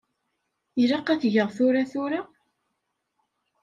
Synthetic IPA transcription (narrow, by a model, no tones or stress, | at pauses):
jɾɑqæθʝəʁθʊɾaθʊɾa